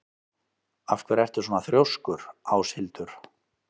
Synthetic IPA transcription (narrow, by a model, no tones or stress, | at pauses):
afkʰvɛɾɛr̥t̪ʏ̥soɔnaθɾjowskʏɾaːwshɪlt̪ʏɾ̥